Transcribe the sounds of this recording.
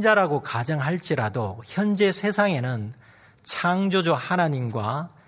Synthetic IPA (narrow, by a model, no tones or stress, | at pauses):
d͡ʑaɾaɡokad͡ʑʌŋɦaɭt͡ɕ͈iɾadoçjʌnd͡ʑe̞sʰe̞sʰaŋe̞nɯn | t͡ɕʰaŋd͡ʑod͡ʑohanaɲimɡwa